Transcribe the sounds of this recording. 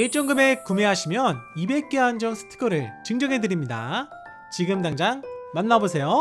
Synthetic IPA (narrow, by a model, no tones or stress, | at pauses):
et͡ɕ͈ʌŋɡɯme̞kume̞ɦaɕʰimjʌnibe̞k͈eɦand͡ʑʌŋsʰɯ̥tʰɯ̥ɡʌɾɯɭt͡ɕɯŋd͡ʑʌŋɦe̞dɯɾimɲida̰ | t͡ɕiɡɯmdaŋd͡ʑaŋmanːabosʰe̞jo